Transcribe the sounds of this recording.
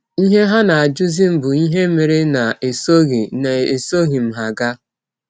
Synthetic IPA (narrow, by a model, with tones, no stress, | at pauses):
i˦ɦe˦ɦa˦na˨a˨d͡ʒʊ˦zi˦m̩˨bʊ˨i˦ɦe˦me˨ɾe˦na˨e˨so˦ɣi˨ne˨e˨so˦ɣi˨m̩˨ɦa˨ɡa˦